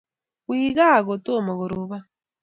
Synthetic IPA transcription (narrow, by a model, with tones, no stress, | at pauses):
wiːɣa˦˨ɣɔ˨to˦˨mo˨ɣu˨ɾu˨βa˦